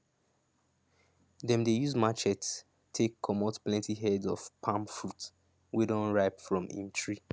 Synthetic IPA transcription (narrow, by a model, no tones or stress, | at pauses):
dɛ̃mdejuzmat͡ʃɛt | tʰːekʰːɔmotplɛ̃ntiɦɛdɔ̰fpʰãmfɹut | widõnɹaɪpfɹɔ̃mḭ̃ntʰɹi